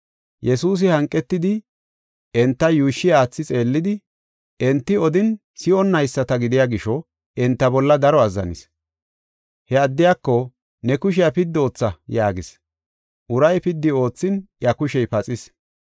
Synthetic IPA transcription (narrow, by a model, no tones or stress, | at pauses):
jɛsuːs̬ɪhɐŋkʼːɛt̪ːɪd̪ɪ | ɛnt̪ːɐjuːʃːɪjaːt͡sːɪt͡sʼe̞ːlːɪd̪ɪ | ɛnt̪ːɪɔd̪ɪn | sɪɔnːɐjsːɐt̪ɐɡɪd̪ɪjaɡɪʃɔ | ɛnt̪ːɐbɔlːɐd̪ɐɾɔɐzːɐ̰nɪ̰s | hɛɐd̪ːɪjakːɔ | nɛkʊʃ̬ɪjɐpɪd̪ːo̞ːt͡sːɐjaːɡɪs | ʔʊɾɐjpɪd̪ːɪo̞ːt͡sːɪnjɐkʊʃɛjpɐt͡sʼɪs